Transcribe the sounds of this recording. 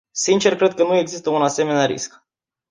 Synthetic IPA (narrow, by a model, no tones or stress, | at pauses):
sint͡ʃe̞rkɾe̞d̪̚kənue̞ɡzist̪əunase̞me̞neaɾḭsk